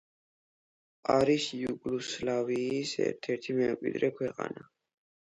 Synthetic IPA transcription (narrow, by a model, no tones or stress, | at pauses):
aɾisjuɡluslaviːsɛ̰ɾt̪ʰɛɾt̪ʰimɛmkʼwḭd̪ɾɛkʰwɛqʼa̰na